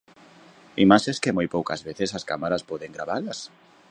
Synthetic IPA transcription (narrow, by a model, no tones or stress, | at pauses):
imaʃeskemojpowka̰zβeθesaska̰maɾaspɔðeŋɡɾaβalɐs